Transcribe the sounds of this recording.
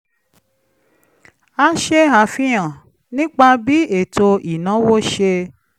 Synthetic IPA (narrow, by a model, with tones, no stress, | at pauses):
a˦ʃe˦ɦa˨fĩ˦j̃ã˨ | nĩ˦k͡pa˧bi˦e˦˨to˧i˨nã˨˦wo˦ʃe˧